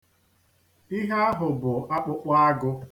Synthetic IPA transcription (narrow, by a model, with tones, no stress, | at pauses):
i˦ɦa˦a˦ɦʊ˨bʊ˨a˦k͡pʊ˦k͡pʷa˦a˦ɡʊ˦